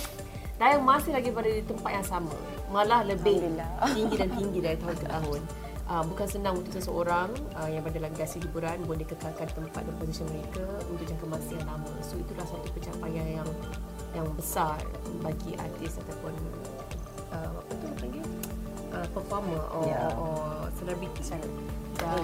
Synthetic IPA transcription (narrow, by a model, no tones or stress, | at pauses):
dajamasɪhlaɡibadadit̪əmpat̪̚jaŋsamã̰ | mãlahləbɪat̪iŋɡidant̪iŋɡidaɾit̪aɦʊnkət̪aɦʊn | ʔəmbukansənãŋunt̪ʊʔsəsəoɾaŋ | əjaŋbadalaŋɡasiɦibuɾanbuandikət̪alkant̪əmpa̰t̪̚ɾɔpos̬isənməɾeka | ṵnt̪ʊʔjaŋkəmãsianlamãsoit̪ulahsat̪upət͡ʃapajajaŋ | jaŋbəsar | baɡiʔa̰t̪ɪsat̪apʊn | ʔəma̰ut̪uapənɡi | ʔəpəfɔməʔɔʔɔsənabit̪i | da